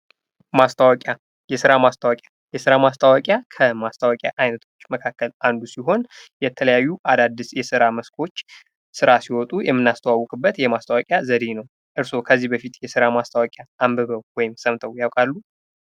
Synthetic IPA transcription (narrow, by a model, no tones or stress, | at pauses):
mast̪ʰawakʼja | jɛsɨɾamast̪ʰʼawakʼja | jɛsɨɾamast̪ʰʼawakʼjakʰəmast̪ʰʼawakʼja̰ʔajnət̪ʰo̞t͡ʃːməkʰakːəland̪usiɦo̞njɛt̪ʰələjajːuʔad̪ad̪ɨsjɛsɨɾaməskʰo̞t͡ʃː | sɨɾasiwɔt̪ʼujɛmːɨnːast̪ʰəwawːɔkʼɨbːət̪jɛmast̪ʰʼawakʼjazəd̪enəw | ʔɨɾso̞kʰəzːihbəfit̪jɛsɨɾamast̪ʰawakʼjaːmbəβəwwɔjɪmsəmt̪ʼʰəwjawkʼalːu